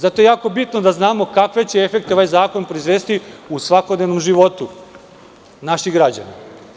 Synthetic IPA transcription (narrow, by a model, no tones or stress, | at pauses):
zat̪oje̞jaːko̞bit̪nod̪aznaːmo̞kakʋe̞t͡ɕe̞efe̞k̚t̪eoʋajzaːko̞npɾo̞izʋe̞ːst̪iusʋakod̪neʋnomʒiʋo̞t̪u | naʃixɡɾad͡ʑa̰na